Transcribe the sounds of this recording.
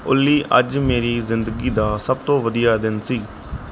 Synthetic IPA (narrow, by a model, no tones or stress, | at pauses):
ʊlːiːʔəd͡ʒmeːɾiːzɪnd̪əɡiːd̪aːsəb̚t̪õːʋəd̪ijaːd̪ɪnsiː